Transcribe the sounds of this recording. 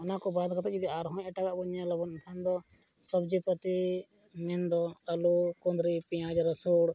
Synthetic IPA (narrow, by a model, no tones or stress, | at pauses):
ɔnakɔbad̪kɔt̪ɔt͡ʃid̪iaɾɦɔ̃ɛʈaɡaʔbɔɲjalɔbɔnnkʰand̪ɔ | sɔbd͡ʒipət̪i | mɛnd̪ɔəlukɔnd̪ɾipijãd͡ʒɾəsuɽ